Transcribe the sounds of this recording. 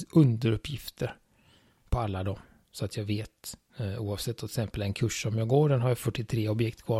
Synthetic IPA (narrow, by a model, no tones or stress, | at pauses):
ʔɵnd̪əɾɵpːjɪft̪ʰəɾ | pʰɔalːad̪ɔm | sɔat̪ʰjɑːɡveːt̪ | uːɑːvsɛt̪ːɔt̪ɛksɛmpəlɛnkʰɵʂɔmjɑːɡoːɖɛnɦaɾjafœʈːɪt̪ʰɾeːɔbjɛkt̪kʰvɑː